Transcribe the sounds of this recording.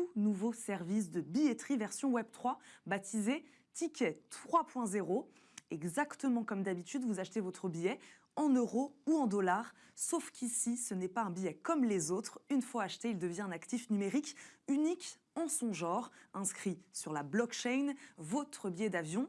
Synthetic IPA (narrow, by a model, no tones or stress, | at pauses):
tunuvosɛʁvis̬d̪əbiet̪χivɛʁsjɔ̃wɛb̚t̪χwabat̪ʰize | t̪ikʲɛt̪χχwapwɛ̃zeʁo | ɛɡzakt̪əmɑ̃kɔmd̪abit̪yd̪vuzaʃt̪evɔt̪χəbijɛ | ɑ̃nøʁouɑ̃d̪ɔlaʁ | sofkʲʰisisənɛpaɛ̃bijɛkɔmlezot̪χynfwaːʃt̪eild̪əvjɛ̃ɛ̃nakt̪ifnymeʁikynik | ɑ̃sɔ̃ʒɑ̃ʁɛ̃skχisyʁlablɔkʃɛjnvɔt̪χəbijɛd̪avjɔ̃